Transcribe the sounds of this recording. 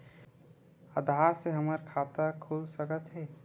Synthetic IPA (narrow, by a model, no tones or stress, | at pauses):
əd̪ʱaɾseɦəməɾkʰat̪əkʰulsəkət̪ɦɛ